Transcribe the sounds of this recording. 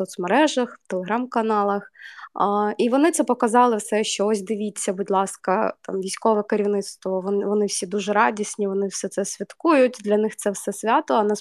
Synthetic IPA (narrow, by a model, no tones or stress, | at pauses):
sɔt̪smɐɾɛʒɐxwt̪elˠeɦɾamkɐnɑlˠɐx | iʋɔnɪt̪sɛpɔkɐzɑlˠɪwsɛʃt͡ʃɔɔsʲd̪ɪʋʲit͡sʲːɐbʊdʲlˠɑskɐt̪ɑ̰mʋʲijsʲkɔʋɛkeɾʲiwnɪt̪st̪ʋɔʋɔʋɔnɪwsʲid̪uʒɛɾɑdʲisʲnʲiʋɔnɪwsɛt̪sɛsʲʋʲɐt̪kujʊtʲd̪lʲɐnɪxt̪sɛwsɛsʲʋʲɑt̪ɔɐnɛ